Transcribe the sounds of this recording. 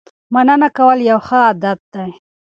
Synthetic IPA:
manənakawəljawxəad̪at̪̚d̪aj

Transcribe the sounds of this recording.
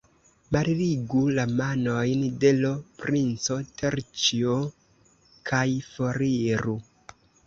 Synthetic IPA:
maɾiɾiɡulamano̞jndelopɾint͡so̞teɾt͡ʃio | kʰajfo̞ɾiɾu

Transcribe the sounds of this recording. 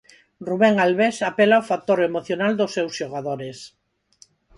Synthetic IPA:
ruβeŋalβesapelaofak̚t̪oɾemoθjonald̪osːewsʃoɣaðoɾes

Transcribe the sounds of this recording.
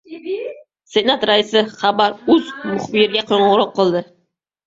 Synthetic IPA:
senat̪ɾaɪsɪχɑbaɾɵzmʊχbɪɾɪɡʲaqʰoɴʁʊɾɒqːɨlˠd̪ɪ

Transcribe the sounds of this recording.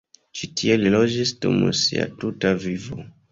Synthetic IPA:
t͡ʃitʰie̞lilo̞d͡ʒisdumṵsia̰tutavivo̰

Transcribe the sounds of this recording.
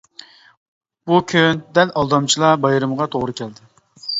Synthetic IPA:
b̥ukʲʰynd̪ɛlʔɑlˠd̪ɑmt͡ʃʰilˠɑbɑjɾɨmʁɑt̪ʰoʁɾɨkʲʰɛld̪ɪ

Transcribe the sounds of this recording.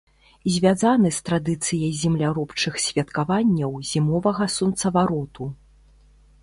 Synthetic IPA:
zʲvʲazanɨst̪ɾad̪ɨt̪sɨjɐjzʲɛmlʲaɾɔpt͡ʂɨxsʲvʲɐt̪kavanʲːɐwzʲimɔvɐɣɐsunt̪sɐvaɾɔt̪u

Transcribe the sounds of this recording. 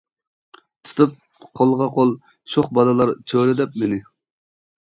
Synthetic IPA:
t̪ʰɨ̥t̪ʰɨp̚ | qʰolˠʁɑqʰolˠ | ʃoχbɑlɨlˠɑɾt͡ʃʰølɪd̪ɛp̚menɪ

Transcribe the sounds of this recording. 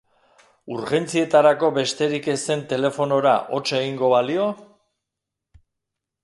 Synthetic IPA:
uɾxe̞nt͡sie̞t̪aɾako̞βe̞st̪e̞ɾike̞se̞nt̪e̞le̞fo̞no̞ɾaʔo̞t͡ʃe̞ɣiŋɡo̞βalio̞

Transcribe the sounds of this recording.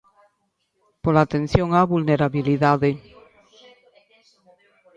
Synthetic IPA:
polat̪enθjoŋaβulneɾaβiliðaðe

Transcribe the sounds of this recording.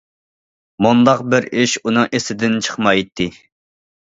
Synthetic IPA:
mund̪ɑqbɪɾiʃunɨŋʔesɪd̪ɪnt͡ʃʰə̥χmɑjt̪ʰːɨ

